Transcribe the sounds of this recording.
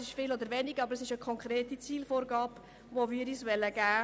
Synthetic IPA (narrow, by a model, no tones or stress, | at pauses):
sɪʃfɪːlɔd̪əɾʋɛnɪɡɑbəɾəsɪʃəkʰɔŋkχɾeːtit͡siːlfoːɾɡɑːp | ʋoʋiːɾisʋɛlːəɡæː